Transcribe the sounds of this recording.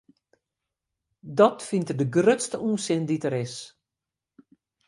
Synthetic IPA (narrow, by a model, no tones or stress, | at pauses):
dɔtfintərdəɡrøtstəʔuːnsɪnditəɾɪs